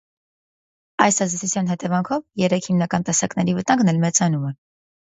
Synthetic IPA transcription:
ɑjsɑzd̪ɛt͡sʰut͡sʰjɑn̪ɦɛt̪ɛvɑŋkʰɔvjɛɾɛkʰhimnɑkɑnt̪ɛsɑknɛɾivət̪ɑŋɡnɛlmɛt͡sɑnumɛ

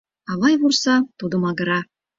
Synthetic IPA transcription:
ɑβɑjβursɑt̪ud̪əmɑɡə̆ɾɑ

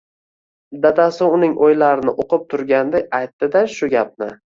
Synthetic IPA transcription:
d̪ad̪asɪʊnɪŋʔojlaɾɪnɪʔoqʰɨp̚t̪ʰʊɾɡʲand̪ajajt̪ːɪd̪aʃʊɡʲap̚nɪ

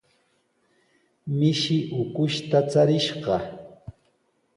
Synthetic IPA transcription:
mɪʃɪʔʊkʊʃt̪at͡saɾɪʃɢɑ

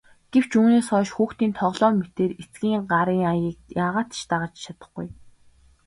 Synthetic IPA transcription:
ɡ̥ew̥t͡ɕuːneːsɔːʃxuːxt̪iːnt̪ʰɔʁɮɔːmet̪eːret͡sɡʲiːŋɢaɾiːŋajiːk̚jaːʁaːt̪ʃt̪aʁə̆t͡ɕt͡ɕʰat̪ə̥̆χɡṵj

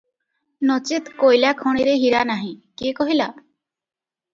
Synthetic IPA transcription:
nɔt͡ʃit̪kojlakʰɔɽ̃iɾeɦiɾanaɦĩkikɔɦila

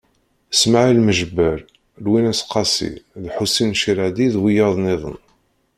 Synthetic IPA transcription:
smaʕilməʒəbːəɾ | lwinæsqːɑsḭðħusinʃiɾad̪iðwijɑðˤnɪðˤə̰n

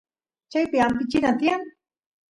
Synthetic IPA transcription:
t͡ʃajpɪampɪt͡ʃɪnat̪iaŋ

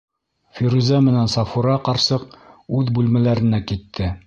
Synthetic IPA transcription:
fiɾuzæmɘ̆nænsɑfuɾɑqɑɾsɤqʉðbʉlmælæɾɘ̆nækit̪ʰːɘ

